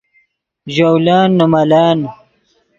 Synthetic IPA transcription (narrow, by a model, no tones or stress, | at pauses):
ʑawlaːnːumɐlaːn